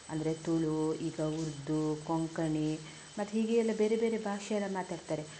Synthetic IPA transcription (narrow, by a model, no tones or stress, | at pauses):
ɐ̰nd̪ɐɾet̪uɭuiːɡɐuɾd̪ːukɔŋkɐɳe | mɐt̪ːɦiːɡeɛlːɐbe̞ːɾebeːɾe̞bʱaːʃɐjɛlːɐmaːt̪aːɖt̪aːɾe